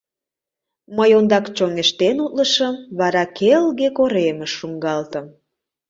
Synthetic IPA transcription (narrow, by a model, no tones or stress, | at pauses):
məjond̪ɑkt͡ɕoŋeʃt̪enut̪̚ləʃəmβɑɾɑkʰelɣekoɾeməʃːuŋɡɑlt̪əm